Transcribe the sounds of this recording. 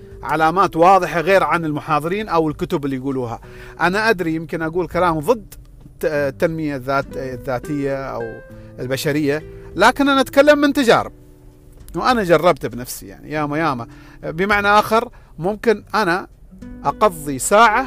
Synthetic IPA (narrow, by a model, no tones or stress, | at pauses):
ʕa̰laːmaːt̪wɑːðˤɨħaɣeːɾʕanɪlmʊħɑːðˤɨɾiːnʔawɪlkʊt̪ʊbɪlːijɡuːluːɦa̰ | ʔanaʔad̪ɾijɪmkɪnʔaɡuːlkalaːmðˤɨd̪ː | t̪ːanmɪjaðːaːt̪ðːaːt̪ɪjːaʔa̰wɪlbaʃaɾɪjːalaːkɪnʔanaʔat̪kalːamːɪnt̪ad͡ʒa̰ːɾɪb̚ | wʔanad͡ʒɑrˤːɑbt̪bnafsḭja̰ʕnḭjaːmajaːma | bəmaʕnaʔaːxɪɾ | mʊmkɪnʔana | ʔɑqɑðˤːisaːʕa